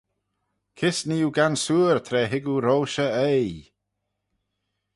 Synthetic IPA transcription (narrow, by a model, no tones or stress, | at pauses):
kʰɪsniːuɡansuːɹt̪ʰɾɛːɦɪɡuɾowʃəej